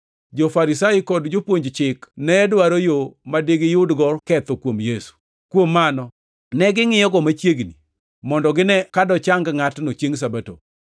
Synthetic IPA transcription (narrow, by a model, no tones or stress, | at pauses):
d͡ʒofaɾisajikɔdd͡ʒopwoɲd͡ʒt͡ʃɪknɛɛdwaɾojomadeɡɪjʊdɡɔrkɛt̪ɔkwomjesu̥ | kwomːanɔ | nɛɡɪŋɪjɔɡɔmat͡ʃjeɡni | mɔndɔɡɪnɛkadɔt͡ʃaŋɡŋatnot͡ʃeŋs̬abato̰